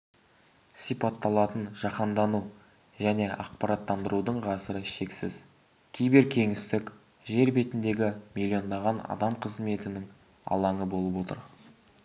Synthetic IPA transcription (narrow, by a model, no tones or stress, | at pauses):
sijpɑt̪ːɑlˠɑt̪ənʒɑqɑnd̪ɑnu | ʒæne̞ʔɑqpɑɾɑt̪ːɑnd̪əɾud̪əɴʁɑsəɾəʃe̞ksɪz | kʲʰejbeɾkʲʰe̞ŋɪst̪ɪkʲ | ʒe̞ɾbe̞t̪ɪnd̪e̞ɡʲɪmilʲio̞nd̪ɑʁɑnɑ̰d̪ɑmqʰəzme̞t̪ɪnɪŋ | ɑ̰lˠɑɴəbo̞lˠəpwo̞t̪ə̰ɾ